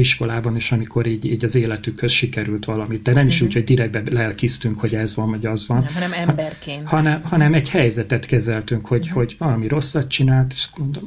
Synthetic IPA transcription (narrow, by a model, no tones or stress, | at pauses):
iʃko̞laːbɒneːʃɒmiko̞ɾiːɟiːɟɒzeːlɛt̪ykhøzʃikɛɾylt̪ʋɒlɒmit̪̚d̪ɛnɛmiʃuːchoɟd̪iɾɛɡ̚bɛlɛɛlkist̪yŋkho̞ɟɛzʋɒnvɒɟɒzʋɒnnɛrkehɒnɛmhɒnɛmɛɟhɛjzɛt̪ɛt̪kɛzɛlt̪yŋkho̞ɟho̞ɟvɒlɒmiɾo̞sːɒtt̪t͡ʃinaːlt̪e̥ʃɡ̥ond̪ol